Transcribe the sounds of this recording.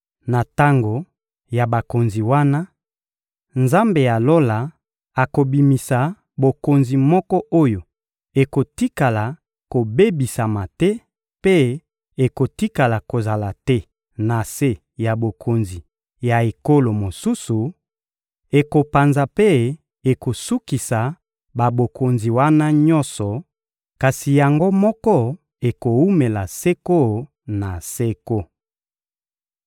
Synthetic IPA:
na˨ta˦ŋɡo˨ | ja˨ba˨ko˨nzi˨wa˦na˦ | nza˦mbe˨ja˨lo˦la˨ | a˨ko˨bi˨mi˨sa˨ | bo˨ko˨nzi˨mɔ˦kɔ˦ʔo˦jo˨ | e˨ko˨ti˦ka˨la˨ | ko˨be˦bi˨sa˨ma˨tɛ˦ | pe˦ | e˨ko˨ti˦ka˨la˨ko˨za˨la˨tɛ˦ | na˨se˦ | ja˨bo˨kʰo˨nzi˨ | ja˨e˨ko˦lo˨mo˨su˦su˨ | e˨ko˨pa˨nza˨pe˦ | e˨ko˨su˦ki˨sa˨ | ba˨bo˨kʰo˨nzi˨wa˦na˦ɲɔ˦nsɔ˨ | ka˨si˨ja˨ŋɡo˦mɔ˦kɔ˦ | e˨ko˨wu˦me˨la˨se˦ko˦ | na˨se˦ko˦

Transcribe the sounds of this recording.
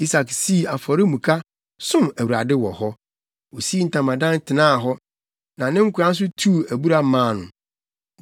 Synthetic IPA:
i˦sa˨ksi˦˨a˨fɔ˨ɾɪ˦mũ˨kʰa˦ | sʊ̃˦mæ˨wu˨a˨dɪ˦wɔ˨hɔ˦ | wɔ˨si˦n̩˨tʰã˨mã˨dã˦ntʰɪ˨nãː˦˨ɦɔ˦ | nã˨nɪ̃˦ŋ̩˦kʰu˨ɾã˦n̩˦s̬ʊ˦tʰu˦˨æ˨bu˦ɾa˦mãː˦˨nʊ̰̃˨

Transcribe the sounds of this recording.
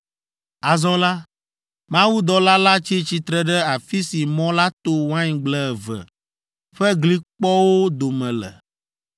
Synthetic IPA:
a˨zɔ̃˦la˦ | mã˦wu˦d̪ɔ˨la˦la˦t͡ʃi˦t͡ɕi˨t̪ɾɛ˨ɖɛ˦a˨fi˦si˨mɔ̃˦la˦t̪o˦wã˦ɲ˨ɡ͡blɛ˦ɛ˨vɛ̰˨ | ɸɛ˦ɡli˦k͡pɔ˦wo˦d̪o˨mɛ̃˨lɛ̰˨

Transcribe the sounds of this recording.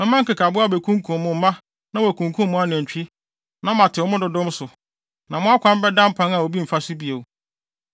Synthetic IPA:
mɛ̃˦mã˦ŋ̩kɪ˨kʰa˨bʊ˦a˦˨be˨kʰũ˦ŋ˦kʰũ˨m˨mʊ̃˨m̩˦mã˦ | nã˦wæ˨kʰũ˨ŋkʰũ˦m˦mʊ̃˦a˦n˨ɛ̃˨ɲ̩˨t͡ɕᶣi˦ | nã˦mã˨tʰɪ˨ɔ˦mʊ̃˦dʊ˨dʊ̃˦m˦sʊ˨ | nã˨mʊ̃˦a˦kʷʰã˨m̩˦bɛ˦dã˦m̩˦pʰã˦na˨o˨bi˦m̩˨fa˦sɪ˦bi˨e˨w

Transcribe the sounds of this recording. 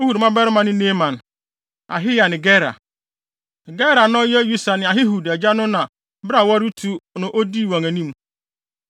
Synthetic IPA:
o˦hu˨ɾmã˦bɛ˦ɾɪ˦mã˨nɪ̃˦ne˦mã˨n | a̰˨ɦɪ˦ja˨nɪ̃˨ɡɛ˦ɾa̰˨ | ɡɛ˦ɾa˨nʊ̃˦jɛ˦ju˦sa˨nɪ̃˨a˨ɦɪ˦ɦu˨dɛ˨d͡ʑa˦nʊ̃˦nã˨ | bɾa˨wɔ˦ɾɪ˦tʰu˦nʊ̃˨ʔo˦di˦˨wɔ̃˨ŋæ˨nĩ˦m

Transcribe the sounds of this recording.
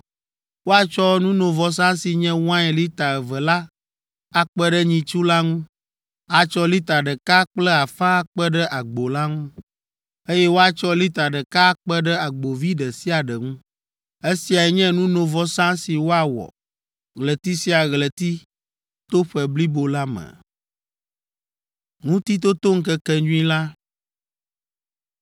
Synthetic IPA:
wo˦a˨t͡ʃɔ˦nũ˦nõ˨vɔ˦s̬ã˦si˨ɲɛ̃˦w̃ã˦ɛ˨li˦t̪a˨ɛ˨və˨la˦ | a˦k͡pɛ˦ɖɛ˦ɲĩ˨t͡ʃu˦la˦ŋũ˦ | a˨t͡ʃɔ˦li˦t̪a˨ɖə˨ka˦k͡plɛ˦a˨fã˦k͡pɛ˦ɖɛ˦ʔa˨ɡ͡bo˨la˦ŋũ˦ | e˦jɛ˦wo˦a˨t͡ʃɔ˦li˦t̪a˨ɖə˨ka˦k͡pɛ˦ɖɛ˦a˨ɡ͡bo˨vi˦ɖə˨si˦a˨ɖə˨ŋũ˦ | e˦si˨a˨ɛ˨ɲɛ̃˦nũ˦nõ˨vɔ˦sã˦si˨wo˦a˨wɔ̰˨ | ɣlɛ˨t̪i˦si˦a˨ɣlə˨t̪i˦ | t̪o˦ɸɛ˨bli˦bo˨la˦mɛ̰˨ | ŋũ˦t̪i˦t̪o˦t̪o˦ŋ̩˦kɛ˦kɛ˦ɲu˦ĩ˦la˦

